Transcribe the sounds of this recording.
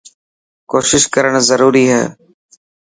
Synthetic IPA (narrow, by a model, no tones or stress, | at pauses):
koːʃɪʃkəɾəɽ̃zəɾuːɾiːɦɛ̰ː